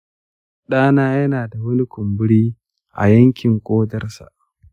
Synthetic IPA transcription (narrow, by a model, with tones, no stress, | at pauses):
ɗaː˦naː˦jɐ˦naː˨da˨wʊ˦nɪ˦kʷʊ˨mbʊ˦ɽiː˦ | ʔa̰˨jɐ˦ŋkʲɪ˨ŋkʷʼoː˦dɐ˦rsa̰˨ʔ